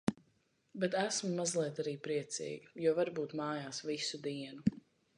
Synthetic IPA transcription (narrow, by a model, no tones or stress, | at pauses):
bɛt̪æsmumazlˠiɛt̪aɾiːpɾiɛt̪sḭːɡijuɔvaɾbuːt̪maːjaːsvisud̪iɛnu